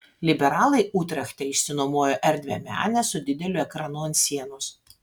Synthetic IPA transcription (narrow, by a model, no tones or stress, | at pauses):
lʲɪbʲɛɾɑːlˠɐɪʔuːt̪ʲɾʲɐxʲt̪ʲɛɪʃʲsʲɪnoːmoɔjoʔɛɾʲd̪ʲʋʲɛ̰mʲæ̰ːnʲɛsʊd̪ʲɪd̪ʲɛlʲʊɛkɾɑnuːɐnt̪sʲiɛnʊs